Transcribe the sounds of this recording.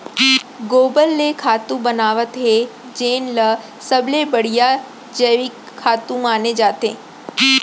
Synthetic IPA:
ɡoːbəlːekʰaːt̪ũbɐnaːʋət̪ɦe | d͡ʒeːnlə | sɐblebɐɽ̤ija | d͡ʒəʋik | kʰaːt̪ũmaːned͡ʒaːt̪ẽː

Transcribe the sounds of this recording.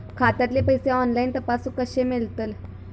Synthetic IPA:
kʰat̪at̪lepəjseɔnlaint̪əpasũkəɕemilt̪əl

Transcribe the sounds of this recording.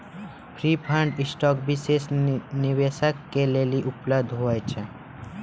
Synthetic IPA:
pʰɾiːpʰãɳɖɪsʈɔːkbɪsesnɪʋesəkːeleliʔʊpləd̪ʱɦoajt͡ʃʰe

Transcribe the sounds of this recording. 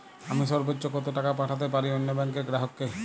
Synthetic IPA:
amiʃɔɾbotːʃokɔt̪oʈakapaʈʰat̪̬ep̬aɾionːobɛŋkeɾɡɾaɦokːe

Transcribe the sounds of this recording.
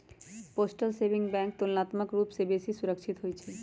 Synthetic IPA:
posʈalsebʱiŋbɛŋk̚t̪olnat̪makɾupsebiesisuɾəkʃʰit̪oɦojet͡ɕʰe

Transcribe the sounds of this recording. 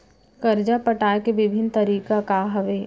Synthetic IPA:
kɐɾd͡ʒapɐʈaːkeʋɪbʱɪnt̪ɐɾiːkakaːɦɐʋeː

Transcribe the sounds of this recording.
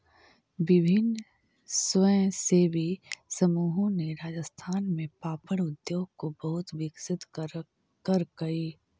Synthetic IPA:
ʋɪbʱɪn | sʋə̃sebʱisɐmuːɦõneɾaːd͡ʒəst̪ʰaːnmẽpaːpəɽ̃ʊd̪joːɡkobɐɦʊt̪ʋɪksɪt̪ | kəɾkɐiː

